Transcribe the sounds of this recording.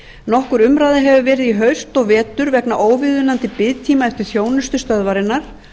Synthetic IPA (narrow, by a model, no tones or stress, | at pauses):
nɔhkʏɾʏmɾaːjðɪɦɛvʏvɛːɾɪðiɦœɥst̪ɔɣvɛːt̪ʏɾvɛknaʔoːwvɪðʏnant̪ɪpɪðt̪ʰiːmaɛft̪ɪɾ̥θjoːwnʏst̪ʏst̪œðvaɾɪnːaɾ̥